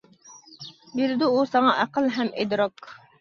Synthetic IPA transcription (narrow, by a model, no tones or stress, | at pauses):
biɾɪd̪uusɑŋɑʔæqəlˠɦɛmʔed̪ɾɑk